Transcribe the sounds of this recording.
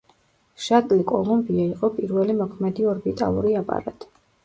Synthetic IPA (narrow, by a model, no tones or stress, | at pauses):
ʃat̪ʼlikʼɔlˠumbiaiqʼɔpʼiɾvɛlimɔkʰmɛd̪iɔɾbit̪ʼa̰lˠṵɾiapʼa̰ɾa̰t̪ʼi̥